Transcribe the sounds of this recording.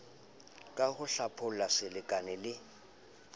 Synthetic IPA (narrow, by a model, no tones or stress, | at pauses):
kʼaɣʊɬapʰʊlasɪlɪkʼanɪlɪ